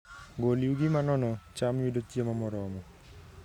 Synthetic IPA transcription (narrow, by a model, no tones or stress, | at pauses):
ɡoliuɡimanɔnɔt͡ʃamidot͡ʃiamamɔɾɔmɔ